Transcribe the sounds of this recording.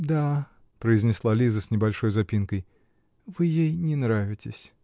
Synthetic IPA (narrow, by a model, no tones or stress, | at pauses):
d̪a | pɾəɪzʲnʲɪslˠalʲizəsʲnʲɪbɐlʲʂojzɐpʲinkəj | vɨjejnʲɪnɾavʲɪtʲɪsʲ